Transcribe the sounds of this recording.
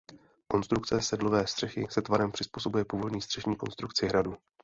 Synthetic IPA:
ko̞nst̪ɾuk̚t͡sɛsɛdlo̞vɛːst̪r̥ɛxɪsɛt̪vaɾɛmpr̝̥ɪspuːso̞bujɛpuːvo̞dɲiːst̪r̥ɛʒɲiːko̞nst̪ɾukt͡sɪɦɾadu

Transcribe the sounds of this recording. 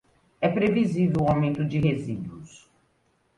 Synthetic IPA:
ɛpɾevizivewawmẽnt̪ʊd͡ʒɪɦezid̪uʊs

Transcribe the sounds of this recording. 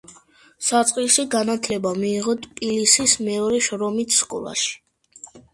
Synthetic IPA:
sat̪sʼqʼiʃiɡanat̪ʰlɛbamiːʁɔt̪ʰpʼilisismɛɔɾɛʃɾɔmit̪ʰskʼɔ̰lˠa̰ʃi̥

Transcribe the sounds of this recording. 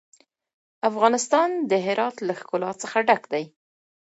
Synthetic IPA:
afɣɑnɪst̪ɑnd̪əɦɪɾɑt̪laxkʊlɑsəxaɖakd̪aj

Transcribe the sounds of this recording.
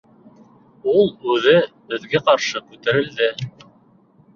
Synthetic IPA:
ulˠʉðɘbɘ̆ðɡæqɑɾʃɤkʉt̪æɾɘ̆ld̪ɘ

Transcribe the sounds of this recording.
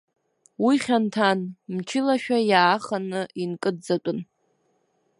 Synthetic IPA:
wiχʲantʰanmt͡ʃʰɪlaʃᶣajaːχanɨinkʼɨdd͡zatʷʼʊn

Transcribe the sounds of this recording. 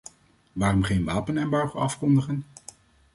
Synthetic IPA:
ʋaːrɔmχejnʋaːpənɛmbɑɹχəɑfkɔndəχən

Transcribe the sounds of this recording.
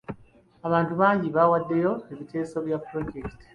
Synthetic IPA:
aβaːntuβaːɲɟiβawadːe̞jo̞eβitʰe̞ːso̞βjapɾoɟeki̥ti̥

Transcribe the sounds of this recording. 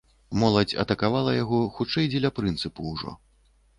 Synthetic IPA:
mɔlˠɐt͡sʲɐ̰t̪ɐkavalˠɐjaɣɔxut͡ʂɛjd͡zʲɛlʲɐpɾɨnt̪sɨpuːʐɔ̰

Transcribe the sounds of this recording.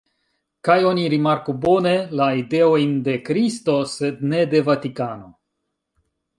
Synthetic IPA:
kajo̞niɾimaɾkubo̞ne̞laide̞o̞jnde̞kɾisto̞se̞d̚ne̞de̞vatikano̞

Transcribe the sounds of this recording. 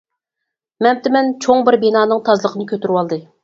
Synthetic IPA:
mɛmt̪ɪmɛnt͡ʃʰoŋbɪɾbinɑːnɨŋt̪ʰɑzlˠəqʰənɨkʲʰøt̪yɾywɑlˠd̪ɨ

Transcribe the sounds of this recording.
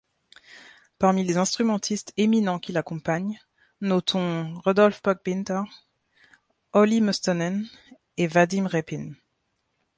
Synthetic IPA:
paʁmilezɛ̃st̪χymɑ̃t̪ʰist̪eminɑ̃kʲilakɔ̃paɲ | nɔt̪ʰɔ̃ʁɔd̪ɔlfpɔk̚bint̪ɛʁ | ɔlimɔst̪ɔnɛn | evad̪imʁepin

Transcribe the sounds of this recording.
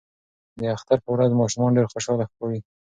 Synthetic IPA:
d̪əaxt̪aɾpəwɾazmɑʃumɑnɖeɾxoʃɑlaxəkɑwi

